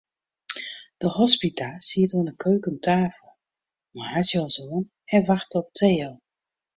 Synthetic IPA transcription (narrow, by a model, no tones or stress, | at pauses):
d̥əhɔspitasiətoənəkʰøːkəntʰaːflˠ | mahasjɔlsoən | ɛnʋaxtəɔp̚tʰeːəlˠ